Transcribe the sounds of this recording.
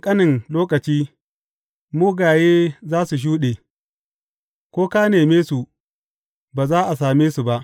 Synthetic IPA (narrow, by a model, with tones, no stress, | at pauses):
kʼɐ˦nɪ˨ŋloː˦kɐ˨t͡ʃiː˦ | muː˦ɡaː˨jeː˦zaː˦su˨ʃ̬uː˦ɗeː˨ | kʷoː˦kaː˦neː˨meː˦su˨ | baː˨zaː˦ʔa˨s̬aː˨meː˦su˨ba˦ʔ